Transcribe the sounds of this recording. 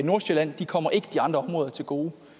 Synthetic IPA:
no̝ɐ̰ɕelæn̰d̥ikʰɒ̽m̰ɐʔe̝ɡ̥əd̥iɑ̈nd̥ʁɐɒ̽mʁɔ̽ːðˠɐt͡sʰe̝lɡ̥o̝ː

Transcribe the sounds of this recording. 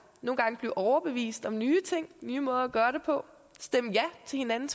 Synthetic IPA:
no̝ːn̩ɡɑ̈ŋəb̥leʊʔɒʊɐb̥e̝ʋḭːsd̥ɒ̽mnyːt͡sʰe̝ŋ̰nyːmɔ̽ːð̞ˠɐɡ̥ɶːɐɾe̝pʰɒ̽ | sd̥em̰jæt͡sʰe̝lhe̝nænn̩s

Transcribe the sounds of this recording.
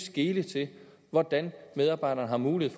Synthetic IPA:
sɡ̥e̝ːlət͡sʰe̝ | ʋɒd̥ænmeð̞ˠɑ̈ːb̥ɑ̈ɪ̰ɾ̥ɐːnəɦɑ̈muːlie̝ð̩̰ˠf

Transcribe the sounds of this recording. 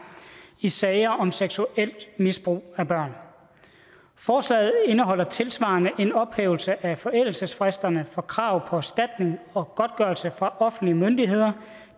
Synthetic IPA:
isɛɪɐʔɒ̽mseɡ̥suel̰d̥misb̥ʁṵːæb̥ɶɐ̰n | fɒːslɛ̰ːð̩ˠe̝nəɦɒ̽l̰ɐt͡sʰe̝lsʋɑ̰̈nəʔe̝nɒ̽b̥hḛːʊlsəʔæfɒ̽ʔel̰l̩səsfʁesd̥ɐnəfɒ̽kʰʁɑ̈ʊ̰pʰɒ̽æsd̥æd̥ne̝ŋɒ̽ɡ̥ɒ̽d̥̚ɡ̥ɶɐlsəfʁɑ̈ʔɒ̽fn̩liəmønd̥iɦe̝ð̞̰ˠɐ

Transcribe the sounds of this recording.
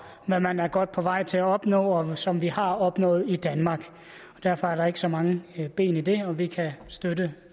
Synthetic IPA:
mæmænæɐɡ̥ɒ̽d̥̚pʰɒ̽ʋɑ̈ɪ̰t͡sʰe̝æɒ̽b̥nɔ̰ːɒ̽sɒ̽mʋihɑ̈ɒ̽b̥nɔ̰̽ːð̩ˠid̥ænmɑ̈ːɡ̥ | ɒ̽d̥æɐfɒ̽æɐɾɑ̈e̝ɡ̥əsɒ̽mɑ̈ŋəb̥e̝̰ːnid̥e̝ɒ̽ʋikʰæsd̥ødə

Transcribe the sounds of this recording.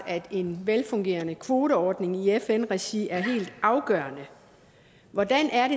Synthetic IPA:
æd̥e̝nʋelfɔ̽ŋɡ̥e̝̰ːɐnəkʰʋo̝ːɾ̥əɒːd̥ne̝ŋiefenʁɛɕiʔæɐɦe̝̰ːld̥ɑ̈ʊɡ̥ɶ̰ːɐnə | ʋɒd̥ænʔæɐɾe̝

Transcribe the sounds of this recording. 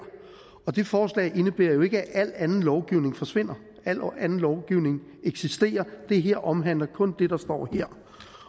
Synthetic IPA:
ɐ | ɒ̽d̥e̝fɒːslɛ̰ːɪʔe̝nəb̥e̝ɐjo̝e̝ɡ̥əæʔæl̰ænn̩lɒʊɡ̥iʊ̰ne̝ŋfɒ̽sʋe̝n̰ɐ | æl̰ænn̩lɒʊɡ̥iʊne̝ŋ | eɡ̥sisd̥e̝̰ːɐd̥e̝ɦeɐ̰ʔɒ̽mɦæn̰lɐkʰɔ̽nd̥e̝d̥ɑ̈sd̥ɒ̰ːheɐ̰

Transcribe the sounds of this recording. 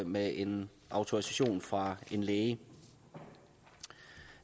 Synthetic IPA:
meʔe̝n | ʔɑ̈ʊt͡sʰo̝ʁisæɕo̝̰ːnfʁɑ̈e̝nleːə

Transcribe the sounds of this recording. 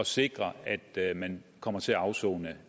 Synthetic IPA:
ɒ̽se̝ɡ̥ʁɐæd̥mænkʰɒ̽m̰ɐt͡sʰe̝æɑ̈ʊsɔ̰ːnə

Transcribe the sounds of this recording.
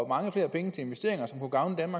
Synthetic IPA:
mɑ̈ŋəfle̝ːɐpʰeŋət͡sʰe̝e̝nʋesd̥e̝̰ɐe̝ŋɐsɒ̽mkʰuɡ̥ɑ̈ʊnəd̥ænmɑ̈ɡ

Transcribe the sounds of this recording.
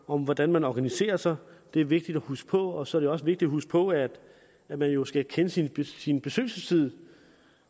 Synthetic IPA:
ɒ̽mʋɒd̥ænmænɒɡ̥ænise̝̰ːɐsɑ̈ɪd̥e̝æɐʋe̝ɡ̥̚d̥id̥ɒhusɡ̥pʰɒ̽ɒ̽sɒæɐɾ̥e̝ɒ̽səʋe̝ɡ̥d̥id̥ɒɦusɡ̥pʰɒ̽æd̥ | æmænjo̝sɡ̥ækʰenəsinbsinb̥e̝sø̰ːlsəst͡sʰið̞̰ˠ

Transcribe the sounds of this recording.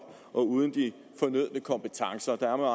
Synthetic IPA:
ʔɒ̽uːð̞ˠən̩d̥i | fɒ̽nøð̞̰ˠnəkʰɒ̽mpet͡sʰɑ̈ŋsɐd̥ɑ̈æɐmeɑ̈

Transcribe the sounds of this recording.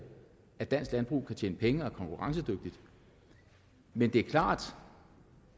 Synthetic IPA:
æd̥æn̰sɡ̥lænb̥ʁṵːkʰæt͡ɕʰjḛːnəpʰeŋəɒ̽kʰɒ̽ŋkʰuʁɑ̈ŋs̬əd̥øɡ̥̚d̥id̥ | mend̥e̝æɐkʰlɑ̰̈ːd̥

